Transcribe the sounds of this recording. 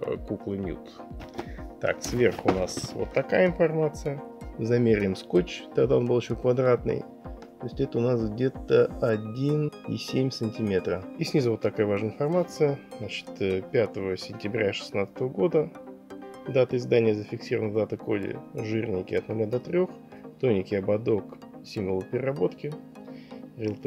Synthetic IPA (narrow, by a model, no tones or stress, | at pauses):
kuklˠɨnʲjṵt̪ | t̪a̰ksvʲerxʊnasvo̰t̪ːɐkajəɪnfɐrmat̪sɨjəzɐmʲeɾʲɪjmskot͡ɕt̪ɐɡd̪ao̞nbɨlˠɪɕːokvɐd̪ɾat̪nɨ̰j | t̪ojɪsʲtʲɛt̪əʊnasɡdʲe̞t̪əɐdʲinisʲemʲsɨnʲtʲɪmʲe̞t̪ɾəɪsʲnʲizəvot̪ːɐkajəvaʐnəɪnfɐrmat̪sɨjəznat͡ɕɪ̥t̪pʲat̪əvəsʲɪnʲtʲɪbɾʲaʂɨ̥snat̪sə̥t̪əvəɡo̞d̪ə | d̪at̪əɪzd̪anʲɪjəzəfʲɪksʲiɾəvənəd̪at̪əko̞dʲɪ̰ʐɨrʲnʲɪkʲɪɐt̪nʊlʲad̪ɐt̪ɾʲo̞x | t̪o̞nʲɪkʲɪɐbɐd̪o̞ksʲimvəlˠəpʲɪɾʲɪrabo̞t̪kʲɪ | rʲɪlʲˠt̪